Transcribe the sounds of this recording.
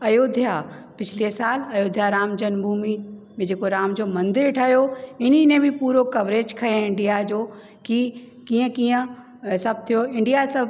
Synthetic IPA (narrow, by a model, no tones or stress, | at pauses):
ɐjoːd̪ʱija | pɪt͡ɕʰɪlesaːlɐjoːd̪ʱijaɾaːmd͡ʑɐnbʱuːmi | mẽd͡ʑeːkoɾaːmd͡ʑoːmɐ̃nd̪ɪɾʈʰaːjoɪninẽbʱɪpuːɾokɐʋɾeːd͡ʑkʰɐẽɪ̃ɳɖijad͡ʑoː | ki | kĩːə̃kĩːə̃ | sɐb̚t̪ʰijoɪ̃ɳɖijasɐ